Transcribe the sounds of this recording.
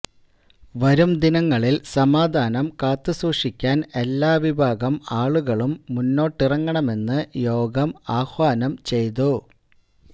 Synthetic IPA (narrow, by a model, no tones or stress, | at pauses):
ʋɐɾumd̪inɐŋːɐɭilsɐmaːd̪ʱaːnɐmkaːt̪ːɨsuːʂikʲːaːne̞lːaːʋibʱaːɡɐmaːɭuɣɐɭumːunːo̞ːʈːirɐŋːɐɳɐme̞nːɨjo̞ːɡɐmaːxʋaːnɐmt͡ɕe̞jt̪̬u